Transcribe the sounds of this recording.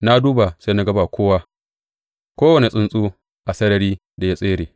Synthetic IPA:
na˦duː˦ba˨se˦na˦ɡɐ˦ba˨kʷoː˦wa˦ | kʷoː˦wɐ˨ne˨sʼɪ˦nsʼuː˦ | ʔa˨sɐ˦ɾɐ˨ɾiː˦ | da˨ja˦sʼeː˦ɾeː˨

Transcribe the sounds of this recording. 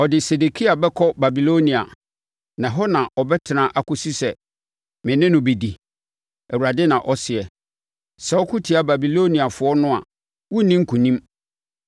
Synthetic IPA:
ɔ˨dɪ˨se˨de˨kʰi˦a˨bɛ˦kʰɔ˦ba˨bi˨lo˦nĩ˨a̰˨ | nã˨ɦɔ˦nã˨ʔɔ˨bɛ˦tʰɪ˨nã˦ʔa˦kʊ˦si˦sɛ˨ | mɪ̃˨nɪ̃˦nʊ̃˨be˨di˨ | ɛ˨wu˨ɾa˨dɛ˦nã˨ʔɔ˦sɪ˨ɛ˨ | sɛ˨ɔ˦kʰʊ˦tʰi˨a˨ba˨bi˨lo˦nĩ˨a˨fʊ˨ɔ˦nʊ̃˦a̰˨ | wu˦nĩ˦ŋ̩˦kʰũ˨nĩ˦m

